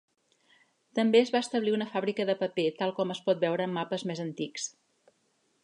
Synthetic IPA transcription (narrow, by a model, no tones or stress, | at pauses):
t̪əmbeəzβaəst̪əβliunəfaβɾikəðəpəpet̪alˠkɔməspɔt̪̚bɛwɾəːmːapəzmezənt̪iks